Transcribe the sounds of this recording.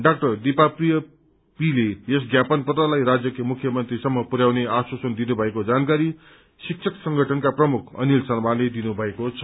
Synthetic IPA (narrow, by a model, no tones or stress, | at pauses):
ɖak̚ʈʌrd̪ipaprijʌ | pilees̬ɡjapʌnpʌt̪alajrad͡zjʌkemukʰjʌmʌnt̪risʌmːʌpuɾjawneaswasʌnd̪inubʱʌekod͡zankaɾi | sik̚t͡ʃʰʌksʌŋɡʱʌʈʰʌnkaprʌmukʰʌ̰nilsʌrmaled̪inubʱʌekot͡sʰʌ̥